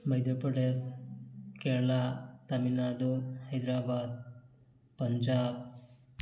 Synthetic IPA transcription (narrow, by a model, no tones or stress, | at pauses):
mɐjd̪ɐɾpɾɐʈes | keːɾlat̪ɐminaːd̪uhɐjd̪ɾaːbaːd̪̚ | pɐɲd͡ʒaːb